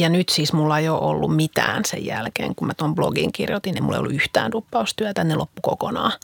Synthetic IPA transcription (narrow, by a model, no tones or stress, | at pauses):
jɑnyt̪sismulːɑjoʔolːummit̪æ̰ːnsḛjjælkḛːŋkumæt̪omblo̰ɡḭŋkirjot̪ineimulːḛio̰lːuyht̪æ̰ːnt̪upːɑust̪yæt̪ænːelopːukokonɑː